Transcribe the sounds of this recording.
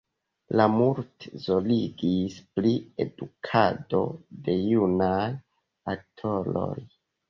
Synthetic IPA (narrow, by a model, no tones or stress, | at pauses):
lamuɾtzo̞liɡisplie̞̰dukʰado̞de̞junaj | ak̚tʰo̞ɾo̞̰j